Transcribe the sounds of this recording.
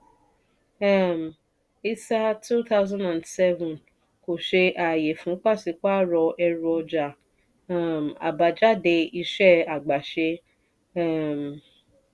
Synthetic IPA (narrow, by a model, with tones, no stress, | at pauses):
a˦˨m | i˦sa˦tʰu˦ta˦ʊzã˦nda˨nsɛ˦vũ˨n | ko˨ʃe˧ʔa˨je˨fũ˨˦k͡pa˦˨si˨˧˦k͡pa˦ɾɔ˧ʔɛ˧ɾu˦ɔ˧d͡ʒa˨ | a˦m˨a̰˨ba˨d͡ʒa˦de˧i˧ʃɛ˦a˨ɡ͡ba˨ʃe˧ | a˦˨m˨